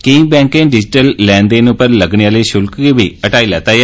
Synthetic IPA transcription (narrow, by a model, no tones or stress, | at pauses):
kiːŋbɛ̃ːŋkẽːɖɪd͡ʒɪʈəlːɛ̃ːnd̪eːnʊpəɾləɡɳeaːliːʃʊlkɡiːʋiːəʈaːiːlɛːt̪aːjɛ